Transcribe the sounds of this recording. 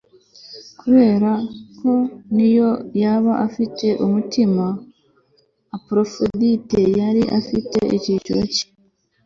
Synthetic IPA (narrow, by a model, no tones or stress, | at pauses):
kuβe̞ːɾakʰo̞nijo̞jaβaʔafitʰe̞ʔumutima | pɾo̞fodite̞jaɾiʔafite̞ʔḭcit͡ʃuɾoci̥